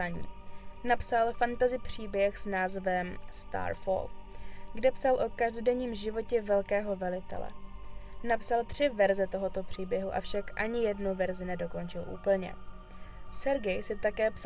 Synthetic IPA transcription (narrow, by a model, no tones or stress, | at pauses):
aɲḭːnapsalfant̪azɪpr̝̥iːbjɛxsnaːzvɛmst̪a̰ːɾfo̰lɡdɛpsalʔo̞kaʒdo̞dɛɲiːmʒɪvo̞cɛvɛlkɛːɦo̞vɛlɪt̪ɛ̰lɛ̰napsalt̪r̝̥ɪvɛɾzɛt̪o̞ɦo̞t̪o̞pr̥iːbjɛɦuʔa̰fʃakʔaɲɪjɛdnuvɛɾzɪnɛdo̞ko̞nt͡ʃɪlʔṵːpl̩ɲɛ̰ | sɛɾɡɛjsɪt̪akɛːps